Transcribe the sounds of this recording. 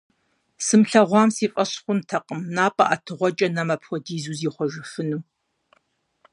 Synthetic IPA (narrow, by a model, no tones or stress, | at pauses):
sɨmɬɐʁʷɑːmsiːfʼɐɕχʷʊmtʰɐqʼəmnaːpʼɐʔatʰɨʁʷɔt͡ʃʼɐnɐmɐpʰwʷɔdiːzuːziːχʷɔʒɪfɨnuː